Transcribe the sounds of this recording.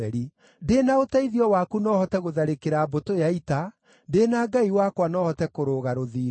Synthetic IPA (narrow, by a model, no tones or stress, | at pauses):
ɛɾi | denaotaiðiɔwakunɔːhɔtɛɣoðaɾekeɾabotojaita | denaɡaiwakwanɔːhɔtɛkoɾoɣaɾoðiːɾ